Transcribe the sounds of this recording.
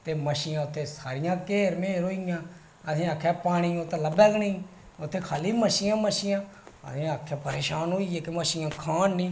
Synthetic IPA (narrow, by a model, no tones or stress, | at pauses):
t̪eːməʃiːãːʊt̪ʰːeːsaːɾɪjãːkeːɾmeːɾoːɪjãː | ət̪ʰẽːakʰːɛːpaːɽ̃iːʊt̪ẽləbɛːɡniː | ʊt̪ʰːeːkʰaːliːməʃɪːjãːməʃɪjãːə̰t̪ʰːəkʰːɛ̃ːpəɾeːʃaːnɦoːiːeːkeməʃiːãːkʰaːnːĩː